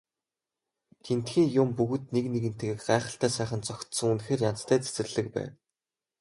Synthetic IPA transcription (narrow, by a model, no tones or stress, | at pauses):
t̪ʰen̥t̪xiːŋjʊmpuɣɘ̆t̪̚nekneɣɘ̆n̥t̪ɡĕːkɢæːχə̆ɬt̪æːsæːχə̆nt͡sʰɔkt̪sɵ̆ŋunxeːrjan̥t͡st̪ʰæːt͡se̥t͡sɘ̆rɮɘ̆kpæ̰ːn